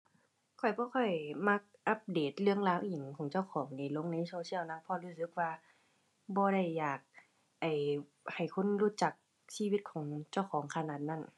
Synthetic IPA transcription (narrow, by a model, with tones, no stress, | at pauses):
kʰɔ˨˩jbɔː˧˦kɔ˧˩jma˧˥k̚ʔa˧˦p̚deː˨˩t̪̚lɯ˧əŋlaː˧˥wʔi˨˩˦ŋkʰɔː˨˦ŋt͡ɕa˧˩wkʰɔː˩˦ŋniː˧˩lo˧˥˨ŋna˧˥jsoː˧sʰi˥˨əwna˧˥˨pʰɔ˧luː˧˥˩s̬ɯ˧˥k̚waː˧ | bɔː˧˦ɾa˧˩jːaː˨˩k̚ | ʔa˨˩j | ha˨˩jkʰo˧˥˨nɾuː˧˥˩t͡ɕa˧˩k̚ | siː˧˥˨i˧t̪̚kʰɔː˩˦ŋt͡ɕa˧˩wkʰɔː˨˩˦ŋkʰa˧naː˨˧˩t̪̚na˧˥˨n